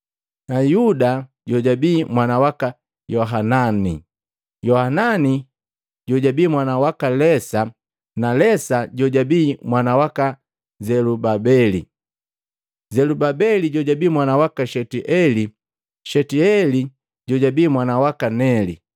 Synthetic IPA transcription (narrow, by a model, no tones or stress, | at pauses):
najuda | ɟɔɟabiːmwanawaka | jɔɦanani | jɔhanani | ɟɔɟabiːmwanawakalɛsa | nalɛsaɟɔɟabiːmwanawaka | zɛlubabɛli | zɛlubabɛliɟɔɟabiːmwanawakaʃɛtiʔɛli | ʃɛtiɛli | ɟɔɟabiːmwanawakanɛlḭ